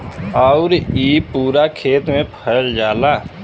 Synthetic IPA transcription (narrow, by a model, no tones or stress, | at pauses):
aʊɾiːpuːɾakʰeːt̪mẽpʰəɾd͡ʒaːlaː